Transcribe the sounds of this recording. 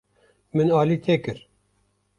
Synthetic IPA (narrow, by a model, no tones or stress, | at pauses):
mɨnɑːliːt̪ʰeːkɨɾ